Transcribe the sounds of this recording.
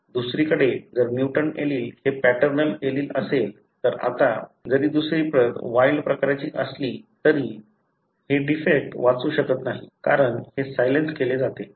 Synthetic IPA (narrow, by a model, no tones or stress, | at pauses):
d̪usɾiːkəɽed͡zəɾmjuʈəneliːlhepæʈəɾnəleliːləsel | t̪əɾa̰t̪ad͡zəɾiːd̪usɾiːpəʋailɖpɾəkaɾjat͡ɕiːʔəsliːt̪əɾiː | heɖifek̚ʈʋat͡suːɕəkət̪naɦikaɾəɳhesajlenskeled͡zat̪e